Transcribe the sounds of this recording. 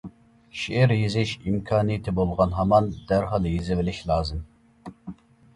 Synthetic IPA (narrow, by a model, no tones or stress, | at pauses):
ʃiʔɛɾjizɪʃimkʰɑːnɨjit̪ʰɪbolˠʁɑnɦɑmɑnd̪̥æɾɦɑlˠjizɪvɪlɪʃlˠɑːzɨm